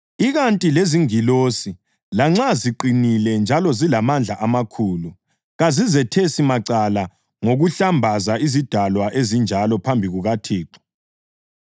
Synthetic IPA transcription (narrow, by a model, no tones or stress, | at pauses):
iɣantʼileziŋilosi | laŋ͡ǁaziǃinilɛnd͡ʒʱalɔzilamand͡ɮʱaʔamakʰuːlu | ɣazizɛtʰesimaǀala | ŋoɣuɬambʱazaizid̥ʱalwaʔezind͡ʒʱalɔpʰambʱiɣuɣatʰiːǃɔ̥